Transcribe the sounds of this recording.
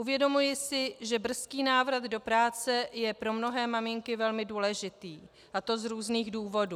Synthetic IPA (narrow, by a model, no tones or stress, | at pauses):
ʔuvjɛdo̞mujɪsɪʒɛbr̩skiːnaːvɾad̪do̞pɾaːt͡sɛjɛpɾo̞mno̞ɦɛːmamɪŋkɪvɛlmɪduːlɛʒɪt̪iː | ʔat̪o̞zɾuːzniːɣduːvo̞duː